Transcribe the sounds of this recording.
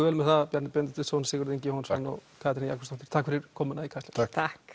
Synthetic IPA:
vɛːlmɛθapjɛɾnɪpɛnt̪ɪ̥t̪ɪsownsɪːɣʏɾðiɲcɪhɔnsanːɔ̰kʰaːt̪ɪnija̰kvʏ̥st̪ɔfɪɾ̥t̪ʰakfɪɾɪɾ̥kʰɔːmʏnaikʰajst̪ḁt̪ʰat̪ʰak

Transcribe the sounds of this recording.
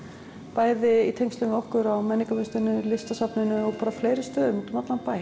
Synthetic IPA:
paːjðɪit̪ʰejŋst̪lʏnɔhkʏɾawmɛnːikavʏnst̪ɪnːʏlɪst̪asapnɪnʏɔɣpaːɾafleːjɾɪst̪œːðʏmɔt̪ʏmat̪lanpaj

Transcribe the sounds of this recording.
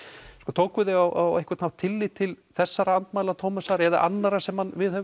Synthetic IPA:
kɔːt̪ʰoːwkʏðɪɣawʔawehkvɪ̥tnawt̪ʰɪlːit̪ʰːɪl | θɛsːaɾaant̪maːjlat̪ʰoːmʏsaɾɛða̰ʔa̰nːaɾasɛmhanvɪðhɛv

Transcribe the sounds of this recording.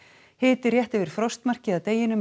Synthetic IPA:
hɪːt̪ɪrjɛht̪ɛvɪɾ̥fɾɔst̪mar̥cɪðaðt̪eːjɪnʏm

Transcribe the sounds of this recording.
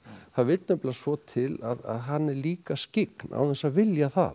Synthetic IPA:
θavɪt̪nʏplasvɔt̪ʰɪla̰ða̰ðɦanːɛɾliːkascɪknʔa̰wθɛsavɪljaθa̰ð

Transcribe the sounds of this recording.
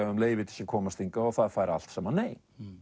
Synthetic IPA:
aamleːjvɪt̪ʰɪ̥çakʰɔːmast̪iŋkaɔθaðfaːjɾa̰l̥t̪sɛmaneːj

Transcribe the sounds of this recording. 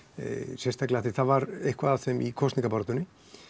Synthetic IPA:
sɛst̪aklahθɪθaðvaɾehkvaðaθɛmʔḭkʰɔst̪niŋkapɔɾt̪ʏnɪ

